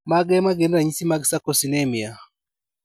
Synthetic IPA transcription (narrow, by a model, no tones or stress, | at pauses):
maɡɛmaɡɛnaɲisimaɡsakɔsinɛmia